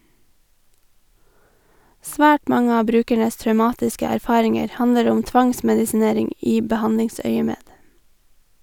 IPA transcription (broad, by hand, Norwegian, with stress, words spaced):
ˈsʋæːʈ ˈmɑŋə ˈɑː ˈbɾʉːkæɳəs tɾœʉˈmɑːtɪskə æɾˈfɑːɾɪŋəɾ ˈhɑnəɾ ˈʊm ˈtʋɑŋsmɛdɪsɪˌneːɾɪŋ ˈiː bəˈhɑndɪŋˌsœʏəmeːd